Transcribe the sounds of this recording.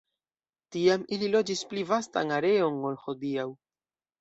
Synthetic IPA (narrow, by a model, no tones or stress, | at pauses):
tiamililo̞d͡ʒisplivasta̰naɾe̞o̞nolho̞diaw